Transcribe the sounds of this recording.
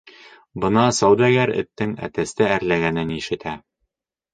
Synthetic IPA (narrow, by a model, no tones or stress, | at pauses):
bɤnɑsɑwd̪æɡæɾɘ̰̆t̪ːɘŋæ̰t̪æst̪ææɾlæɡænɘniʃɘ̆t̪ʰæ